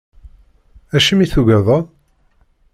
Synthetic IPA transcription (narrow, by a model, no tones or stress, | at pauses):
æʃəmiθuʝæðˤɑ